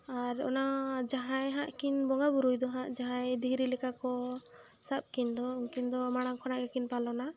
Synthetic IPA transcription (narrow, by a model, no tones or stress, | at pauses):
aɾɔ̰nad͡ʒaɦãjɦaʔkinbɔŋɡabuɾujd̪ɔɦãʔd͡ʒaɦãjd̪iɡɾilɛkakɔ | sap̚ˀkind̪ɔuŋkind̪ɔmaɽ̃aŋkʰɔnaʔɡɛkinpalɔna